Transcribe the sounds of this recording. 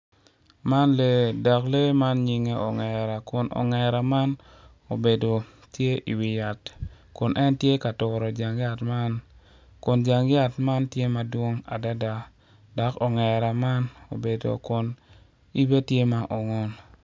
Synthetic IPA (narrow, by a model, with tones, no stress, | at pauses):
ma˦nle˨da˨kle˦ma˦nɲi˨ŋe˦ɔ˨ŋɛ˨ɾa˨kʊ˨nʔɔ̰˨ŋɛ˨ɾa˨ma˦n | o˨be˨do˨ | tje˦ʔḭ˨wɪ˨ja˨t | kʊ˨nʔɛ˦ntje˦ka˨tʊ˨ɾɔ˨d͡ʒa˨ŋja˦tma˦n | kʊ˨nd͡ʒa˨ŋja˦tma˦ntje˦ma˨dwo˦ŋa̰˨da˦da˨ | dɔ˨kɔ˨ŋɛ˨ɾa˨ma˦no˨be˨do̰˨kʊ˨n | i˦be˦tje˦ma˨ʔɔ˨ŋɔ˦n